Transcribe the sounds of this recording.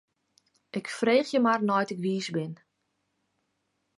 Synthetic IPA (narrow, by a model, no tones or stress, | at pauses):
ʔɪkfreːxjəmarnɔjtɪkʋiːsbɪn